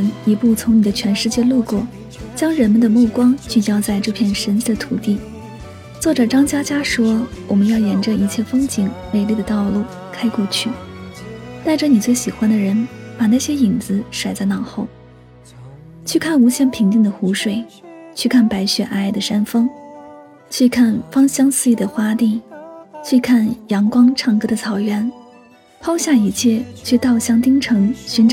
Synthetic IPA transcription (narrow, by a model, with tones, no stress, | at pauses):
ni˧˥pu˥˩t͡sʰʊ˧˥ŋni˨˩d̪ə˦t͡ɕʰɥɛ˧˥nʂɻ̩˥˧t͡ɕjɛ˥˧lu˥˧kwɔ˥˩ | t͡ɕjɑ˥ŋɻə˧˥nmə˧˨nd̪ə˩mu˥˩kwɑ˥ŋt͡ɕy˥˧t͡ɕjɑ˥ʊt͡sa˥˧ɪʈ͡ʂɤ˥˧pʰjɛ˥˩nʂə˧˥nt͡s̩˥˩d̪ə˩t̪ʰu˨˩t̪i˥˩ | t͡swɔ˥˩ʈ͡ʂɤ˨˩ʈ͡ʂɑ˥ŋt͡ɕja˥t͡ɕja˥ʂwɔ˥wɔ˨˩mə˦njɑ˥˩ʊjɛ˧˥nʈ͡ʂə˧i˧˥t͡ɕʰjɛ˥˩fɤ˥ŋt͡ɕi˨˩ŋne˨˩ɪli˥˩d̪ə˩t̪ɑ˥˧ʊlu˥˩ | kʰa˥ɪkɔ˥˧t͡ɕʰy˥˩ | t̪a˥˩ɪʈ͡ʂɤ˧˥ni˨˩t͡swe˥˩ɪɕi˨˩xwa˥nd̪ə˨ɻə˧˥npa˨˩na˥˩ɕjɛ˥i˨˩ŋt͡sɹ̩˧˥ʂwa˨˩ɪt͡sa˥˧ɪnɑ˥˧˩ŋxo˥˩ʊ | t͡ɕʰy˥˧kʰa˥˩nu˧˥ɕjɛ˥˩npʰi˧˥ŋt͡ɕ̪i˥˩ŋd̪ə˩xu˧˥ʂwe˨˩ɪ | t͡ɕʰy˥˧kʰa˥˩npa˧˥ɪɕɥɛ˨˩ʔa˥˩ɪd̪ə˩ʂa˥nfɤ˥ŋ | t͡ɕʰy˥˧kʰa˥˩nfɑ˥ŋɕjɑ˥ŋsɹ̩˥˧i˥˩d̪ə˩xwa˥t̪i˥˩t͡ɕʰy˥˧kʰa˥˩njɑ˧˥ŋkwɑ˥ŋʈ͡ʂʰɑ˥˩ŋkɤ˥d̪ə˨t͡sʰɑ˨˩ʊɥɛ˧˥n | pʰɑ˥ʊɕja˥˩i˧˥t͡ɕʰjɛ˥˩t͡ɕʰy˥˧t̪ɑ˥˧ʊɕjɑ˥˩ŋt̪i˥ŋʈ͡ʂʰɤ˧˥ŋɕy˧˥nʈ͡ʂ